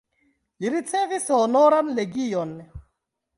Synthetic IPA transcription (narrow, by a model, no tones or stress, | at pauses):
liɾit͡sɛvisɔɔnɔɾanleɡijɔn